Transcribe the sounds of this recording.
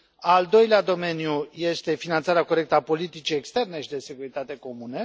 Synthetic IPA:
ald̪o̞jlead̪o̞me̞njuje̞st̪e̞finant̪saɾeako̞ɾe̞k̚t̪əapo̞lit̪it͡ʃie̞kst̪e̞rne̞ʃid̪e̞se̞kuɾit̪at̪e̞ko̞mune̞

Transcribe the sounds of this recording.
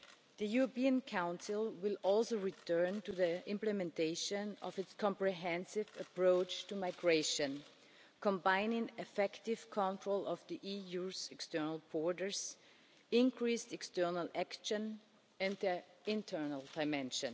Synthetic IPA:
ðɨjuɹɔpiɨ̃nkʰãʊ̃nsɪlˠwɪlˠɔlˠsoʊɹitʰɜ˞ntuðiɪ̃mplɨmɛ̃ntʰeɪʃɨ̃nʌ̰vɨtskʰɔ̃mpɹiɦɛ̃nsɪvəpʰɹoʊt͡ʃtumaɪɡɹeɪʃɨ̃n | kʰɔ̃mbãɪ̃nɪ̃ŋɨfɛktɪv̥kʰɔ̃ntʰɹoʊlˠʌvðiʔijuzɛkstɜ˞nəl̩ˠbɔɹdə˞z̥ | ɪ̃nkʰɹ̥istɛkstɜ˞nəlækʃɨ̃n | ɨ̃nðəɪ̃ntʰɜ˞nəl̩ˠdaɪmɛ̃nʃɨ̃n

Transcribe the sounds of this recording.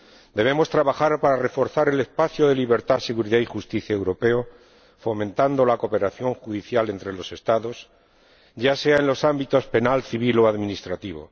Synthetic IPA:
d̪e̞β̞e̞mo̞st̪ɾaβaxaɾpaɾare̞fo̞ɾθaɾe̞le̞spaθjoðe̞liβe̞ɾt̪ase̞ɣuɾiðaixust̪iθjaewɾo̞pe̞o | fo̞mẽnt̪and̪o̞lakope̞ɾaθjo̞ŋxuðiθjale̞nt̪ɾe̞lo̞se̞st̪aðo̞s | ɟ͡ʝase̞aenlo̞sambit̪o̞spe̞nalθiβ̞ilo̞aðmĩnist̪ɾat̪iβ̞o̞̰

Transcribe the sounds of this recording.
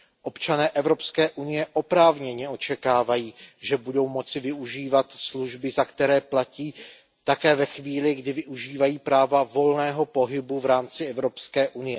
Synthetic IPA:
ʔo̞pt͡ʃanɛːʔɛvɾo̞pskɛːʔunɪjɛʔo̞pɾaːvɲɛɲɛʔo̞t͡ʃɛkaːvajiːʒɛbudo̞wmo̞t͡sɪvɪuʒiːvat̪sluʒbɪzakt̪ɛɾɛːplaciː | t̪akɛːvɛxviːlɪɡdɪvɪʔuʒiːvajiːpɾaːvavo̞lnɛːɦo̞po̞ɦɪbuvɾaːmt͡sɪɛvɾo̞pskɛːʔunɪjɛ

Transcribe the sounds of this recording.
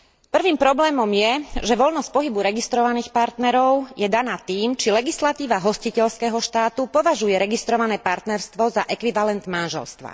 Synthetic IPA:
pr̩ʋiːmpɾɔblɛːmɔmjɛʒɛʋɔlnɔsc̚pɔɦibuɾɛɡist̪ɾɔʋaniːxpaɾt̪nɛɾɔʊjɛd̪anaːt̪iːmt͡ʃilɛɡislat̪iːʋaɦɔscicɛʎskɛːɦɔʃt̪aːt̪upɔʋaʒujɛɾɛɡist̪ɾɔʋanɛːpaɾt̪nɛɾst̪ʋɔzaʔɛkʋiʋalɛnd̪manʒɛ̰lst̪ʋa̰

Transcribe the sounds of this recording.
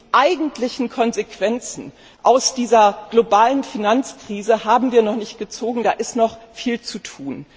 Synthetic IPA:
ʔaɪɡŋ̩tlɪçn̩kʰɔnzekv̥ɛnt͡sn̩ | ʔaʊsd̥iːzɐɡ̥lobaːlənfinant͡skʁ̥iːzəhaːbm̩viːɐnɔχnɪçt̚ɡ̥ət͡soːɡŋ̩daːʔɪstnɔχfiːlt͡sutʰuːn

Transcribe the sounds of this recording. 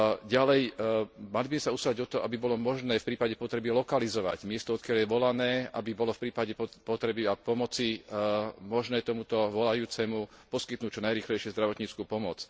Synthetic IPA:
ɟalɛjmalibizmɛsauslaɟɔt̪ɔɔʔabibɔlɔmɔʒnɛːfpɾiːpaɟɛpɔt̪ɾɛbilɔkalizɔʋa̰ɟmɪɛst̪ɔɔt̪̚kɪaljɛʋɔlanɛːa̰bibɔlɔfpɾiːpaɟɛppɔt̪ɾɛbiapɔmɔt͡si | mɔʒnɛːt̪ɔmut̪ɔʋɔlajuːt͡sɛmu | pɔskit̪nuːc̚t͡ʃɔnajɾiːxlɛjʃɛzd̪ɾaʋɔt̪ɲiːt͡skuːpɔmɔt͡s

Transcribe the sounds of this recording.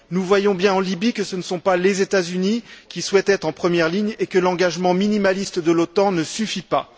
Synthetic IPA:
nuvwajɔ̃bjɛ̃ɑ̃libikəsənəsɔ̃palezet̪azynikʲiswɛt̪ɛt̪χɑ̃pχəmjɛʁliɲekəlɑ̃ɡaʒmɑ̃minimalist̪d̪əlot̪ɑ̃nəsyfipa̰

